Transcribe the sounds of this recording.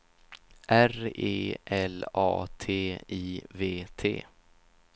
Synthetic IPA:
ʔæreːʔɛlɑ̰ːt̪ʰeːiːveːt̪ʰḛː

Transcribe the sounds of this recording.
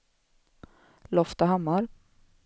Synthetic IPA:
lɔft̪aɦamːaɾ

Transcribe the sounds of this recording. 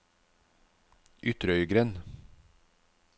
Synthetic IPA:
ʔʏt̪ɾəœʏɡɾɛːn

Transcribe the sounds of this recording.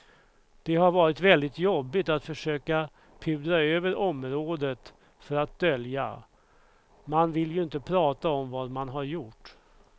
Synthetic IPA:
d̪̥ɛɦaɾvɑːɾɪt̪vɛld̪ɪt̪jɔbːɪt̪at̪fœʂøːka | pʰʉːd̪ɾaøːvəɾʔɔmɾoːd̪ət̪ | fœɾat̪̚d̪œlja̰ | manvɪljɵɪnt̪əpʰɾɑːt̪aɔmvɑd̪manɦaɾjʊʈː

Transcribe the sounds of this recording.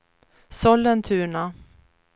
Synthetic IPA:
sɔlːənt̪ʰʉ̟ːɳa

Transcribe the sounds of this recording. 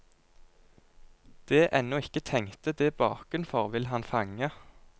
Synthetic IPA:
d̪̥eːʔɛnɔɪkət̪ʰɛŋt̪əd̪eːbɑːkʉnfɔʁʋɪlɦɑnfɑŋə

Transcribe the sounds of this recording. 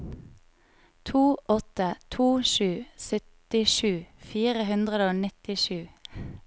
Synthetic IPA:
t̪ʰuːʔɔt̪ət̪ʰuːʃʉːsœt̪ɪʃʉːfiːʁəɦʉnd̪ʁəd̪oːnɪt̪ɪʃʉː

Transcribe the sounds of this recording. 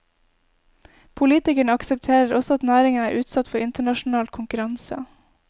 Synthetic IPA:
pʰʊliːt̪ɪkəɳəɑksəp̚t̪ʰeːɾəɾʔɔsɔɑt̪næːɾɪŋənæːɾʔʉːt̪sɑt̪fɔɾɪnt̪əɳɑʃn̩ɑːlkʰʊŋkʉɾɑnsə̰

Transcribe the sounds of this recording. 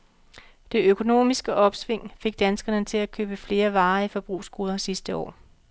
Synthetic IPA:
d̥e̝økʰo̝no̝̰ːmisɡ̥əʔɒ̽b̥sʋe̝ŋ̰fe̝ɡ̥̚d̥ænsɡ̥ɐnət͡sʰe̝lækʰø̰ːb̥əfle̝ːɐʋɑ̈ːifɒ̽b̥ʁṵːsɡ̥uːðˠɐsisd̥əɒ̰ː

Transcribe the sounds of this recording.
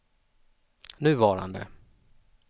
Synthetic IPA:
nʉ̟ːvɑːɾa̰nd̪ə̰

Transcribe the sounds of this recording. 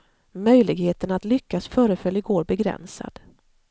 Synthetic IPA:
mœjlɪɡheːt̪ənat̪lʏkʰːasfœːɾəfœlːɪɡoːɾbɛɡɾɛ̰nsa̰d̪̥

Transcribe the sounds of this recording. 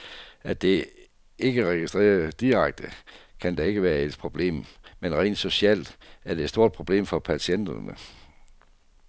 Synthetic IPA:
æd̥e̝ | e̝ɡ̥əʁɛɡ̥isd̥ʁḛːɐd̥iʁäɡ̥̚d̥əkʰænd̥ɑ̈e̝ɡ̥əʋæːɐe̝d̥̚pʰʁo̝b̥le̝̰ːmmenʁɛ̰ːnd̥so̝ɕɛl̰d̥æɐd̥edsd̥o̝ɐ̰d̥̚pʰʁo̝b̥le̝̰ːmfɒ̽pʰæɕʰen̰d̥ɐnə

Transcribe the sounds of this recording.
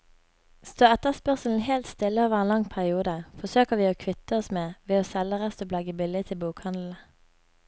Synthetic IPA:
st̪oːɛt̪əspœʁsl̩n̩heːlt̪st̪ɪlːəoːʋəʁenlɑŋpʰæʁɪuːd̪əfɔsøːkəʁʋiːoːkʰʋɪt̪əɔsmeːʋeːoːsɛlːəʁɛst̪oːblɑɡəbɪlɪt̪ʰɪlbuːkhɑnd̪l̩

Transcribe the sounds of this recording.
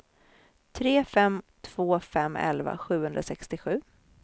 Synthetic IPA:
t̪ʰɾeːfɛmt̪ʰv̥oːfɛmːɛ̰lva̰ɧʉ̟ːhɵnd̪ɾasɛkst̪ɪɧʉ̟ː

